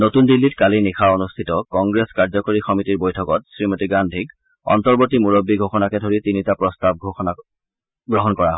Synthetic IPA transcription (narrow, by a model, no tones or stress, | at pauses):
notundilːitkalinixʰaonustʰitɔkɔŋɡɹeskaɹzɔkoɹixɔmitiɹbojtʰɔkɔtsɹimotiɡandʱik | ɔ̰ntɔɹbotimuɹobːiɡʱɔxɔnakɛdʱoɹitinitapɹɔstab̚ɔa | ɡɹɔɦɔnkɔɹaɦ